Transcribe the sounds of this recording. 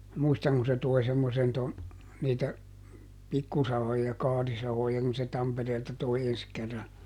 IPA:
muistɑŋ ku se toi̯ semːosen ton niːtæ pikːusɑhojɑ kɑːrisɑhojɑ kun se tɑmpereːltɑ toi ens kerːɑ

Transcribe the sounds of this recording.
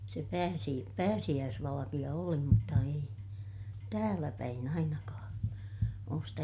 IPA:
se pæːsi pæːsij̆æːsʋɑlɑkij̆ɑ oli mutːɑ ei tæːlæpæin ɑinɑkɑ̃ː oːs stæ

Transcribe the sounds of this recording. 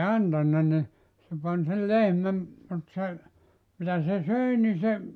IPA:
ɑntɑnːɑ ni se pɑn sel lehmæm mut se mitæ se søi ni se

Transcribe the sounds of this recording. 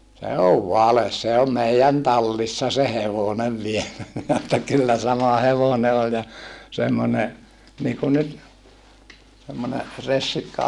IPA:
se oʋ ʋɑles se om meijæn tɑlːisːɑ se heʋoneʋ ʋielæ minæ etːæ kylːæ sɑmɑ heʋone olʲ jɑ semːone niːkun nyt semːone resːikːɑ

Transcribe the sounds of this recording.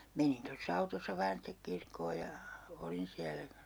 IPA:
menin tosː ɑutosːɑ ʋɑːn sitek kirkːoː jɑ olin siælæ

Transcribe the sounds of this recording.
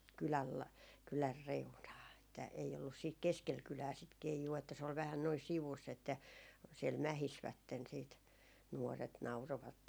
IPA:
kylæl lɑ kylær reunɑː etːæ ei olːus siːt keskel kylæː sit keijuː etːæ se ol ʋæhæn noi siʋusː etːæ siɛl mæhisʋætːen siːt nuoret nɑuroʋɑtːej

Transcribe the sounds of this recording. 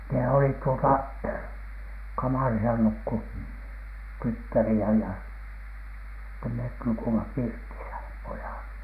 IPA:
ne olit tuotɑ kɑmɑˑrisɑ nukːu tytːæriæ jɑ sitːem met nukuimɑ pirtisæ pojɑˑt

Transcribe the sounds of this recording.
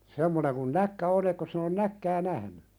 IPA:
semːoneŋ kun nækːæ on ekːos sin on nækːæː næhny

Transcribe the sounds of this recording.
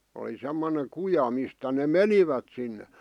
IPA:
oli semːoneŋ kujɑ mistæ ne meniʋæt sinːe

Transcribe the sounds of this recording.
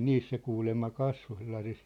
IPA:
niːs se kuːlemːɑ kɑsʋo selːɑsis

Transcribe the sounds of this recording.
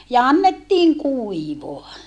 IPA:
jɑ ɑnːetːiːŋ kuiʋoɑ

